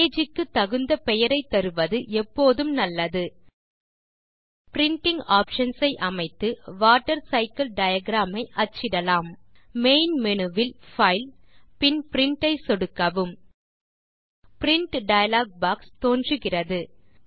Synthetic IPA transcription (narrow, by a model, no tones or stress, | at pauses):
eːd͡ʒɪkːɯt̪ːɐɣɯnd̪ɐpɛjɐɾɐɪt̪ːɐɾɯʋɐðɯʔɛpːoːðɯmnɐlːɐðɯ | pɪɾɪɳʈɪŋɡaːpʂɐnsɐɪʔɐmɐɪt̪ːɯʋaːʈːɐɾsɐɪkɐlɖɐjɐɡɾaːmɐɪʔɐt͡ʃːɪɽɐlaːmmeɪnmɛnɯʋɪlfɐɪlpɪnpɪɾɪɳʈɐɪsɔɽɯkːɐʋɯm | pɪɾɪɳʈɖɐjɐlaːɡ̚baːkst̪oːndrɯɣɪrɐðɯ